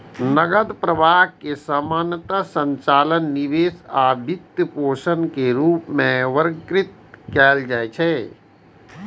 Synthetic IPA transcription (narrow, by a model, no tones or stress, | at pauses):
nəɡəd̪pɾəbaːkesaːmaːnət̪asə̃nt͡ʃaːlənːiʋeːsaːbʱɪt̪jəpoːʃənkeɾuːpmẽʋəɾkɾɪt̪̚kɛːld͡ʒaːet͡ʃʰɛ